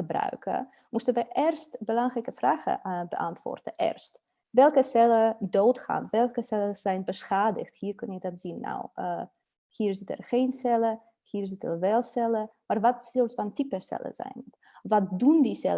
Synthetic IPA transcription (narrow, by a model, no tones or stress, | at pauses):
əbrœ̰ɥkə̰ | mustənʋəʔɪrstbəlɑŋrɛkəfraːxə̰bəʔɑ̰ntʋɔ̰ːrtəʔɪ̰rst | ʋɛlˠkəsɛlədoːtxa̰ːnʋɛlˠkəsɛləz̥ɛjnbəsxaːdə̰xthiːrkɵnjədɑtz̥inːa̰w | hiːrzɪtə̰rxejnsɛlə | hiːrzɪtə̰rʋɛlˠsɛləmaːrʋɑtsɪltfɔntipəsɛ̰lə̰zɛ̰jn | ʋɔt̚dundisɛ̰lə